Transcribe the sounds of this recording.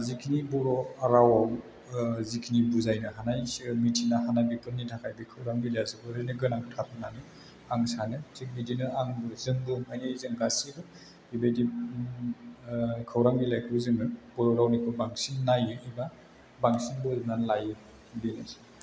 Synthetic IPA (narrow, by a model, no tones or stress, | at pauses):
zikʰinibɔɾɔɾawaw | zikʰinibuzajnaɦanajmitʰinahanajbipʰɯɾnitʰakʰajbikʰɯwɾaŋbilazɯkʰɯɾɯjnɯɡɯnaŋtʰat̚nanɯ | aŋsanɯtʰik̚bidinɯaŋbɯzɯŋbɯmɦajnɯjzɯŋɡasiɾɯ | ibedi | kʰɯwɾaŋbilajkʰɯwzɯmɯb̥ɔɾɔɾawnikʰɯbaŋsinːajɯiba | baŋsinbɔzɯnanlajɯ | binɯ